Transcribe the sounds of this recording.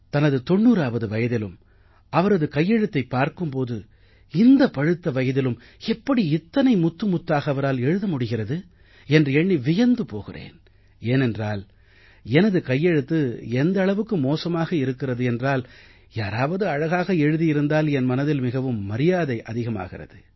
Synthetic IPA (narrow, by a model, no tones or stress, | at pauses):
t̪ɐnɐðɯt̪ɔɳːuːɾaːʋɐðɯʋɐjɐðɪlɯm | ɐʋɐɾɐðɯkɐjːɛɻɯt̪ːɐɪpːaːɾkɯmpoːðɯ | ɪnd̪ɐpɐɻɯt̪ːɐʋɐjɐðɪlɯm | ɛpːɐɽiɪt̪ːɐnɐɪmʊt̪ːɯmʊt̪ːaːɣɐɐʋɐɾaːlɛɻɯðɐmʊɽɪɣɪrɐðɯ | ɛndrɯɛɳːiʋɪjɐnd̪ɯpoːɣɪrḛːn | eːnɛndraːl | ɛnɐðɯkɐjːɛɻɯt̪ːɯɛnd̪ɐɭɐʋɯkːɯmoːsɐmaːɣɐɪɾɯkːɪrɐðɯɛndraːl | jaːɾaːʋɐðɯɐɻɐɣaːɣɐɛɻɯðijɪɾɯnd̪aːlɛnmɐnɐðɪlmɪɣɐʋɯmːɐɾɪjaːðɐɪʔɐðɪɣɐma̰ːɣɪrɐ̰ðɯ